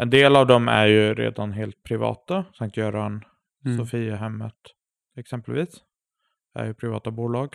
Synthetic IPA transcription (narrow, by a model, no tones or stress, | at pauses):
ʔɛnd̪eːlavd̪ɔmæ̰ɾjɵɾḛːd̪anɦeːlt̪̚pʰɾɪvɑ̰ːt̪asaŋk̚t̪jœːɾahan | sɔfiːaɦɛmːət̪ | ɛksɛmpəlviːs | æ̰ɾjɵpʰɾɪvɑ̰ːt̪abuːlɑːɡ